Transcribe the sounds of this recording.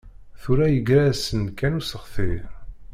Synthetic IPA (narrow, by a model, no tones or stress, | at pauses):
θuɾæjəɡɾæsənkænusəχθi